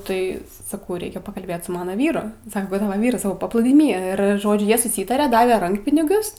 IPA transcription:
ˈtɐɪ sɐˈkɐʊ ˈrʲɛɪkʲɛ pɐkɐlʲˈbʲeːt sʊ ˈmɑːnɐ ˈʋʲiːrʊ ˈsɑːkɐ ˈkʊr ˈtɑːʋɐ ˈʋʲiːrɐs ˈsɑːkɐʊpɐplˠuːdʲiːˈmʲiː ˈɪr ˈʒoːd͡ʒʲʊ ˈjiɛ sʊˈsʲiːtɐrʲeː ˈdɑːʋʲɛ ˈrɐŋkpʲɪnʲɪɡʲʊs

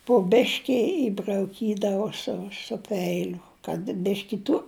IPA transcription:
pʊ ˈbʲæːʃʲkʲɪ ɪbrɐʊˈkʲiːdɐʋoː ˈsʊ sʊ ˈpʲɛɪlʲʊ kɐt ˈbʲɪʃʲkʲɪ tʊ

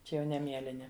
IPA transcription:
ˈt͡ʃʲɛ jɛʊ ˈnʲɛ ˈmʲiɛlʲɪnʲɪ

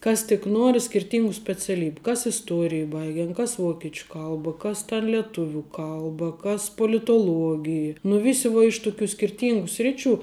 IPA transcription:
ˈkɐs tʲɪk ˈnuɔrʲɪ sʲkʲɪrʲˈtʲiːŋɡʊ sʲpʲɛt͡sʲɛˈlʲiːbʲʊ ˈkɐs ɪsˈtuɔrʲɪj ˈbɐɪɡʲɛn ˈkɐs ˈʋoːkʲɛt͡ʃʲʊ ˈkɐlˠbɐ ˈkɐs tʲɛn lʲiɛˈtʊʋʲuː ˈkɐlˠbɐ kɐs poːlʲɪtoːˈlˠuɔɡʲɪj nʊ ˈʋʲɪsʲɪ ʋuɔ ɪʃ tʊˈkʲuː sʲkʲɪrʲˈtʲiːŋɡuː ˈsʲrʲɪˌt͡ʃʲuː

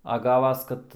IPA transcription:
ɐ ˈɡɑːʋɐs ˈkɐt

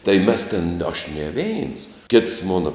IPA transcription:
tɐɪ mʲɛs tʲeːn ɐʃ nʲɛ ˈʋʲɛɪns kʲɪts ˈmoːnɐ

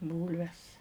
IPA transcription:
ˈbuːlʲʋʲɛs

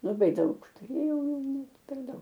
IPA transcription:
lˠɐˈbɐɪ ˈdɐʊk tʊˈrʲeːjɛʊ nʲɛt pʲɛr ˈdɐʊk

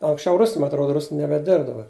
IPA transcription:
ɐŋksʲˈt͡ʃʲɛʊ ˈrʊs mɐ ɐtˈroːdɐ ˈrʊsn nʲɛbʲɛˈdʲɪrp dɐˈbɐr

